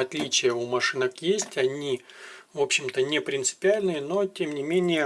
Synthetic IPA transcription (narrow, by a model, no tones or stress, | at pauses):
ɐt̪lʲit͡ɕɪjəumɐʂɨnəkjesʲtʲɐnʲivo̞pɕːɪmt̪ənʲɪpɾʲɪnt̪sɨ̥pʲɪalʲnɨjəno̞tʲemnʲɪmʲenʲɪjə